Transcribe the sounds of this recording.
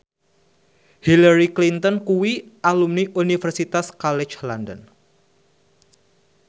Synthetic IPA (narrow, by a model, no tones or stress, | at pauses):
hilaɾiklint̪ɔnkuwiʔalumniʔunifɛrsit̪askalɛt͡ʃlandə̰n